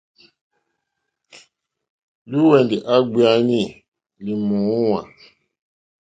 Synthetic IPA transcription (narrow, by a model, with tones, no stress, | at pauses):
lu˦wɛ˨ndi˨ʔa˦ɡ͡bi˦a˦nĩ˦˨ | li˨mũ˨˦wã̰˨